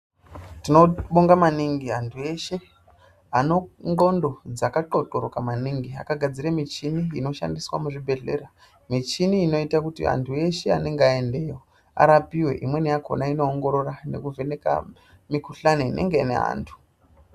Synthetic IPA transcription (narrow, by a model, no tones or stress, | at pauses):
tino̞ɓoŋɡamaniŋɡiantʰue̞ʃe̞ | ano̞ŋɡo̞ndo̞d͡zakaǃo̞ǃoɾokamaniŋɡia̰kaɡʱad͡ziɾamit͡ʃiniːno̞ʃa̰ndiswa̰muʐibʱe̞ɮe̞̰ra | mit͡ʃiniːno̞itakutḭa̰ntʰue̞ʃe̞a̰ne̞ŋɡeae̞nde̞jo | a̰ɾapiwe̞̰ʔimwe̞nijakʰo̞̰naino̞ːŋɡo̞ɾo̞rane̞̰kuve̞ne̞ka̰ | mikuɬaniinʔe̞̰ŋɡe̞inḛɦa̰ːntʰu̥